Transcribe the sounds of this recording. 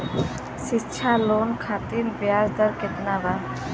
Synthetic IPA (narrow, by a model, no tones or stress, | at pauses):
ʃitːt͡ʃʰaloːnkʰaːt̪iɾbjaːzd̪əɾkɪt̪naba